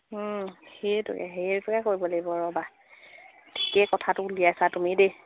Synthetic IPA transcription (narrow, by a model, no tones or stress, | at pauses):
xetʊ̰kɛ̰ɦeɹtʊkɛkoɹibɔlejbɔɹɔba | tʰi̥kɛkɔtʰatʊuliajsatumide